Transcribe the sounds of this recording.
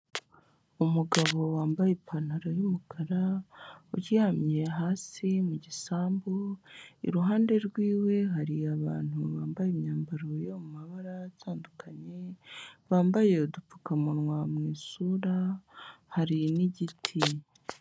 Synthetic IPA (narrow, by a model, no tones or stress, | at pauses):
umuɡaβo̞waːmbajepʰanaɾajumukʰaɾauɾihamjeɦaːsimuɟisaːmboḭɾuɦaːnde̞ɾɡwiːwe̞ɦaɾiaβaːn̥huβaːmbajemɲaːmbaɾojomumaβaɾatʰaːndukʰaɲeβaːmbaje̞udup͡fu̥kamuɾwamŋiːsuːɾa | haɾiniɟitʰi